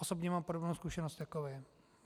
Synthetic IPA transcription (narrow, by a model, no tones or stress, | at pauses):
osobɲɛmaːmpodobnowskuʃɛnost̪akovɛɛ